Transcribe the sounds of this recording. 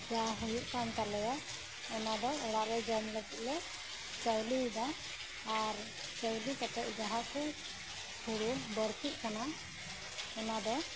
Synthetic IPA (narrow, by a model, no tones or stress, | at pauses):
d͡ʒaɦujuʔkant̪aɾlɛja | ɛnad̪ɔɔɽaʔlɛd͡ʒəmlɛkiʔlɛ | t͡ʃəwlid̪aː | ɾ | t͡ʃəwlikɛt̪ɛʔ̪̚d͡ʒaɦaʔku | huɽubəɾkit̪̚ˀkana | ɛnad̪ɔ